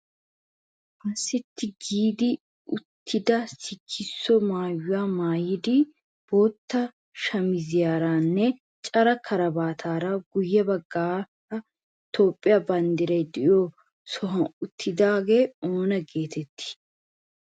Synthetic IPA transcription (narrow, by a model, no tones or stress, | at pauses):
ʔɐsːɪt̪ːɪɡiːd̪ɪ | ʊt̪ʰːɪd̪ɐsɪkʰːɪsːɔmaːjʊjaːmaːjɪd̪ɪ | b̥oːt̪ːɐ | ʃɐmɪzɪjaːɾaːnːɛ | t͡ʃʼɐɾɐkʰɐɾɐbaːt̪ʰaːɾɐɡʊjːɛbɐɡːaː | ɐ | t̪o̞ːpʼːɪjaːbɐnd̪ɪɾɐjd̪ɪjoː | sɔɦɐʊt̪ʰːɪd̪aːɡe̞ːoːnɐɡe̞ːt̪ɛt̪ʰːɪ̥